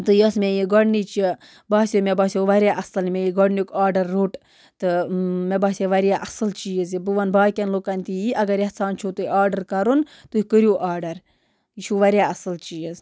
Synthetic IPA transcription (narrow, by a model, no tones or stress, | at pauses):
t̪ɨjɐsmʲejiɡɔɽnit͡ʃi | baːsʲomʲɛbaːsʲjoʋɐɾjaːʔɐsɐlmʲejiɡɔɽnikaːɾɖɐɾːoʈ | t̪ɨmɛbaːsʲɐʋɐɾjaːʔɐsɨlt͡ʃiːjɐzibɨʋɐnbaːkʲɐnlokɐnʲt̪ijiʔɐɡɐɾjɛhsaːnt͡ʃʰut̪uiaːɾɖɐɾkɐɾunt̪uhikəɾjuːʔaːɾɖɐɾ | jit͡ʃʰuʋɐɾʲjaːɐsɨlt͡ʃiːjiz